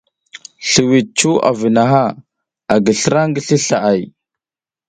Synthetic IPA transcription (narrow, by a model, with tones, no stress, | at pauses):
ɬə˨wi˨t͡ʃu˦a̰˨vi˨na˨ɦa˦ | a˨ɡə˨ɬə˦ɾa˦ŋɡə˦ɬi˦ɬa˨ʔa˦˨j